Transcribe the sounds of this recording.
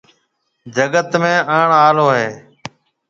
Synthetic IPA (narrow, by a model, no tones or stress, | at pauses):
d͡ʒəɡət̪mẽːəːɳaːloːɦeː